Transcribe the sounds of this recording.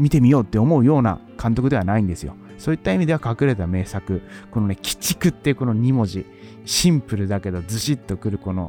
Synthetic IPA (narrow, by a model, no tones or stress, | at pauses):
mʲit̪e̞mʲijo̞ːt̪ːe̞o̞mo̞ɯ̟jo̞ːna̰ | kʰãnt̪o̞kɯd̪e̞βanaĩnd̪e̞sɨjo̞̰ | so̞ːit̪ːaimʲid̪e̞βakakɯ̟ɾe̞t̪ame̞ːsakɯ̟ko̞no̞ne̞kʲi̥t͡ɕi̥kɯ̟t̪ːe̞iɯ̟ko̞no̞ɲ̟imo̞ʑi | ɕĩmpɯ̟ɾɯ̟d̪ake̞d̪o̞d͡zɨɕit̪ːo̞kɯ̟ɾɯ̟ko̞no̞̰